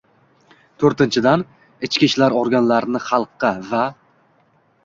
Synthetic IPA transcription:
t̪ʰoɾt̪ɪnt͡ʃʰɪd̪an | ɪt͡ʃkʲiʃlaɾɒɾɡʲanlaɾɪnɪχɑlˠqːɨva

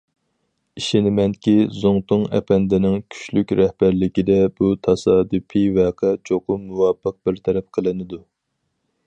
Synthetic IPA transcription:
iʃɪnɪmɛŋkʲizoŋt̪ʰʊŋɛ̰pʰɛnd̪ɪnɪŋkʲʰy̥ʃlykʲɾɛhb̥æɾlɪkʲid̪ɛbut̪ʰɑsɑːd̪ɨpʰivɛːqʰɛt͡ʃʰoqʊmuwɑpːəq̚b̥ɪɾt̪ʰɛɾɛp̚qʰəlˠɨnɨd̪u

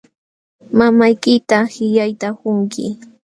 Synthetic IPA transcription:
mamajkɪt̪ahɪʎajt̪akʊŋkɪ̰

